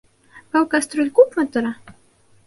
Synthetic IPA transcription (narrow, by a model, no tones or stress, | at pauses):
pawkast̪ɾulʲkupmat̪oɾa